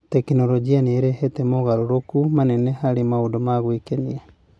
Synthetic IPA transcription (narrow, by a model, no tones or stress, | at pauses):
tɛkinɔɾɔd͡ʒianeɾɛhɛtɛmoɣaɾoɾokumanɛnɛhaɾemaondomaɣwekenia